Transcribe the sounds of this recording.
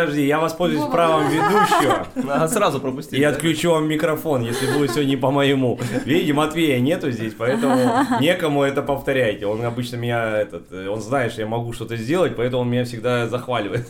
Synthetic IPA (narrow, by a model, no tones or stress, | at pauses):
ɐʐdʲitʲjavɐspo̞lʲzʊjʊsʲpɾavəmvʲɪd̪uɕːɪvəsrazʊpɾəpʊsʲtʲiɐt̪klʲʉt͡ɕuvamːʲɪkɾɐfo̞njesʲlʲɪbɨlˠəsʲɪvʲodʲnʲəpəməɪmuvʲidʲɪmɐt̪vʲejənʲe̞t̪ʊzʲdʲesʲpɐɛt̪əmʊnʲe̞kəmʊɛt̪əpəft̪ɐɾʲæjɪtʲɪo̞nɐbɨt͡ɕnəmʲɪnʲaɛt̪ət̪o̞nznajɪt̪ʂt̪ojamɐɡuʂt̪o̞t̪əzʲdʲe̞lˠət̚ʲpɐɛt̪əmʊonmʲɪnʲafsʲɪɡ̚d̪azɐxvalʲɪvəjɪt̪